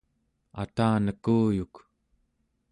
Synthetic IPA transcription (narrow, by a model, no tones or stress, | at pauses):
a̰t̪aːnəkuːjuk